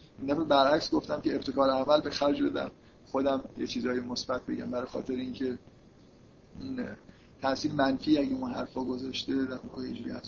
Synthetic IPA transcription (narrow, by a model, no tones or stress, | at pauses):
indæfebæɾʔæcsɡo̞ft̪æmceːbt̪ʰe̞kʰɒːɾeæmælbe̞xæɾd͡ʒbe̞d̪æ̰m | xo̞d̪æmjet͡ʃʰiːzɒːjemosb̥æt̪̚ʰbe̞̰ɟæ̰mbæɾɒjexɒ̰ːt̪ʰe̞ɾeiŋcʰe̞ | in | t̪ʰæsiːnemænfiːæɟeunɦæ̰ɾfɒːɡo̞zɒːʃt̪e̞d̪æɾmɒɣejed͡ʒuːɾḭæ̰z